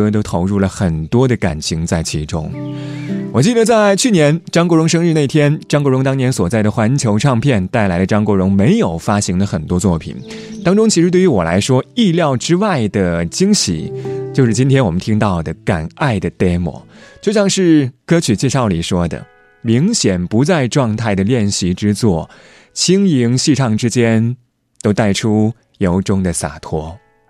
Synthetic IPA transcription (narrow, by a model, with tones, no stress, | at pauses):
ɤ˥t̪̬o˥ʊt̪ʰo˧˥ʊɻu˥˩lə˩xə˨˩nt̪wɔ˥d̪ə˨ka̰˨˩nt͡ɕʰi˧˥ŋt͡sa˥˩ɪt͡ɕʰi˧˥ʈ͡ʂʊ̰˥ŋ | wɔ˨˩t͡ɕi˥˩d̪ə˩t͡sa˥˧˩ɪt͡ɕʰy˥˩njɛ˧˥nʈ͡ʂɑ˥ŋkɻʊ˧˥ŋʂ̬ɤ˥ŋɻy˥˧n˥˩ɪt̪ʰjɛ˥nʈ͡ʂŋko˥ʊɻʊ˧˥ŋt̪̬ɑ˥ŋnjɛ˧˥nswɔ˨˩t͡sa˥˩ɪd̪ə˩xwa˧˥nt͡ɕʰjo˧˥ʊʈ͡ʂʰɑ˥˧ŋpʰjɛ˥˩nt̪a˥˩ɪla˧˥ɪd̪ə˧ʈ͡ʂɑ˥ŋko˧˥ʊɻʊ˧˥ŋme˧˥ɪjo˨˩ʊfa˥ɕi˧˥ŋd̪ə˧xə˨˩nt̪wɔ˥t͡swɔ˥˩pʰḭ˨˩n | t̪ɑ˥ŋʈ͡ʂʊ˥ŋt͡ɕʰi˧˥ʂɻ̩˧˥t̪we˥˩ɪy˧˥wɔ˨˩la̰˧˥ɪʂwɔ˥i˥˧ljɑ˥˩ʊʈ͡ʂɻ̩˥wa˥˩ɪd̪ə˩t͡ɕi˥ŋɕḭ˨˩˦t͡ɕjo˥˧ʊʂɻ̩˥˩t͡ɕi˥nt̪ʰjɛ˥nwɔ˨˩mə˦nt̪ʰi˥ŋt̪ɑ˥˩ʊd̪ə˩ka˨˩na˥˩ɪd̪ə˩t̪e˥˩mwɔ̰˧˥˦t͡ɕjo˥˧ʊɕjɑ˥˧ŋʂɻ̩˥˩kɤ˥t͡ɕʰy˨˩t͡ɕjɛ˥˧ʂɑ˥˩ʊli˨˩ʂwɔ˥d̪ə̰˩ | mi˧˥ŋɕjɛ˨˩npu˧˥t͡sa˥˧ɪʈ͡ʂwɑ˥˧ŋt̪ʰa˥˩ɪd̪ə˩ljɛ˥˩nɕi˧˥ʈ͡ʂɻ̩˥t͡swɔ˥˩ | t͡ɕʰi˥ŋi˧˥ŋɕi˥˧ʈ͡ʂʰɑ˥˩ŋʈ͡ʂɻ̩˥t͡ɕjɛ˥n | t̪o˥ʊt̪a˥˩ɪʈ͡ʂʰu˥ | jo˧˥ʊʈ͡ʂʊ˥ŋd̪ə˨sa̰˨˩t̪ʰwɔ˥